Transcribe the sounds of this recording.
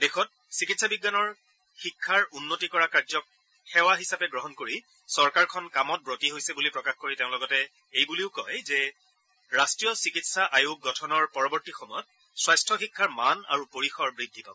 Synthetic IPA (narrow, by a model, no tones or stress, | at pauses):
dexʰɔt̚ | sikitsabiɡːanɔɹ | xikʰːaɹunːotikɔɹakaɹzɔk̚ | xɛwaɦisapɛɡɹɔɦɔnkoɹi | sɔɹkaɹkʰɔnkamɔt̚bɹotiɦojsɛbulipɹɔkaxkoɹiteʊ̃lɔɡɔtɛ | ejbuliʊkɔjzɛ | ɹastɹijɔsikitsaʔajuk̚ɡɔtʰɔnɔɹpɔɹɔbɔɹtixɔmɔjɔt̚ | swajstʰɔxikʰːaɹmana̰ɹupoɹixɔɹbɹidʱːipab